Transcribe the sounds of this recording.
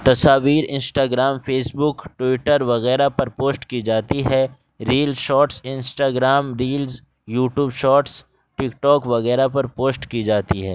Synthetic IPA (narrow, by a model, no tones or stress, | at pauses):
t̪ɐsaːʋiːɾɪ̃nsʈaːɡɾaːmfʰeːsbʊkʈwɪʈəɾʋɐɣɛːɾapɐɾpoːsʈkid͡ʒaːt̪iɦɛ | ɾiːlzʃɔːʈsɪ̃nsʈaːɡɾaːmɾiːlz | juːʈjuːbʃɔːʈs | ʈɪkʈɔːkʋɐɣɛːɾapɐɾpoːsʈkid͡ʒaːt̪iɦɛː